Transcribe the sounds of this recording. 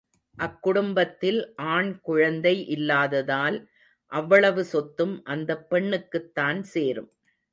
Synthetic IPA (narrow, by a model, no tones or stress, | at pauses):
ʔɐkːʊɽʊmbɐt̪ːɪlʔaːɳkʊɻɐnd̪ɐɪʔɪlːaːðɐðaːl | ʔɐʋːɐɭɐʋɯsɔt̪ːɯmʔɐnd̪ɐpːɛɳːɯkːɯt̪ːaːnseːɾɯm